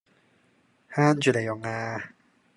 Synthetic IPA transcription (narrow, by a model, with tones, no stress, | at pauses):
haː˥˩˨nt͡ɕy˨˩ɛ˨˩jɔ˨˩ŋaː˧